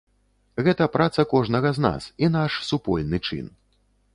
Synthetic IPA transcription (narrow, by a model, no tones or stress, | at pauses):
ɣɛt̪ɐpɾat̪sɐkɔʐnɐɣɐzna̰sin̪aʂsupɔlʲnɨt͡ʂɨ̰n